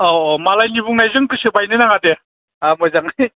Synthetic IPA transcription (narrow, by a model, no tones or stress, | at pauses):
oomalajnibuŋnajzɯŋkɯsɯbajnɯnaŋade | amɔjzaŋj